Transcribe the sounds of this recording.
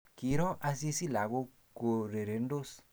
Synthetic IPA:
kiɾɔ˦ʔa˧s̬i˦si˦la˨ɡu˧ | ko˧ɾe˨ɾe˨ndo˦s

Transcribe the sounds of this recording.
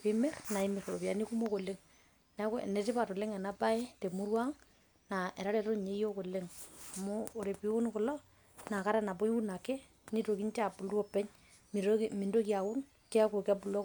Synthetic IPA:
pe˦mɛ˦rna˨i˦me˨ɾo˨lo˨pja̰˨ni˦ku˦mo˦ko˨le˦ŋ | nnɛ˨te˦pa˨to˨le˦ŋɛ˨na˦pa˦e˦te˨mu˦ɾwa˦ŋ | na˨e˨ɾa˦ɾɛ˨to˦ɲe˦jo˦ko˨le˦ŋa˨moː˦˨ɾe˨pi˦u˦nko˨lɔ˦ | na˨ka˦ɾa˦na˨p̬o˦i˦wu˦na˨kɛ˦ | ni˦to˨ki˦ɲt͡ʃa˦˨pu˨lɔ˦pɛ˦ɲ | m˨mi˨ndo˦kja˨u˦n | kɛ˦ko˨ka˦pu˨lɔ˦

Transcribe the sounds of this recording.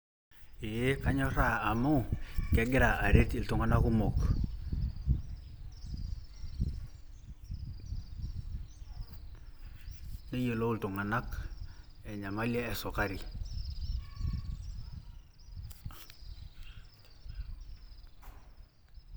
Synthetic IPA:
i˨je˦ka˦ɲɔ˦ɾa˦a˨mu˦˨ke˨˦ɡɪ˦ɾa˨ʔa˨ɾe˦ti˨ltu˨ŋa˨na˦ku˦mɔ˨k | ne˦je˨lo˦u˦ltu˨ŋa˨na˦k | ɛ˨ɲa˨ma˦le˦ɛ˨sɔ˨ka˦ɾi˨

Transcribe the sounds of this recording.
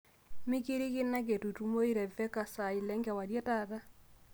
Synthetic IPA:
me˦ki˦ɾi˦ke˦na˦ke˨tu˨tu˨˦mo˦i˦ɾɛ˨vɛ˦ka˨sa˨i˨lɛ˦ŋɡɛ˨wa˨ɾjɛ˦ta˦ða˦

